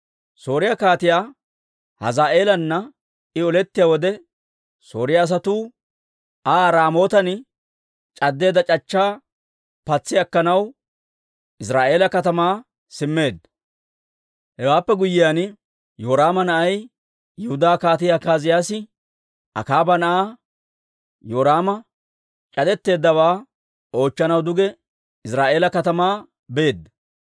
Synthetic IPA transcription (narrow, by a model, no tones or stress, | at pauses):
so̞ːɾɪjakaːt̪ɪjaː | hɐ̰zaːʔe̞ːlɐnːɐ | ɪɔlɛt̪ːɪjaːwɔd̪ɛ | so̞̰ːɾɪjaːs̬ɐt̪uː | aːɾaːmo̞ːt̪ɐn | t͡ʃʼɐd̪ːe̞ːd̪ɐt͡ʃʼɐt͡ʃːaː | pɐt͡sːɪjɐkːɐnɐw | ʔɪs̬ɾaːʔe̞ːlɐkɐt̪ɐmaː | sɪmːe̞ːd̪ | hɛwaːpːɛɡʊjːɪjaːn | joːɾaːmɐnɐʔɐj | jɛhʊd̪aːkaːt̪ɪjaːkaːzɪjaːsɪ | ʔɐ̰kaːbɐnɐʔaː | joːɾaːmɐ | t͡ʃʼɐd̪ɛt̪ːe̞ːd̪ːɐwaː | o̞ːt͡ʃːɐnɐwd̪ʊɡɛ | ɪsɾaːʔe̞ːlɐkɐt̪ɐmaː | be̞ːd̪ːɐ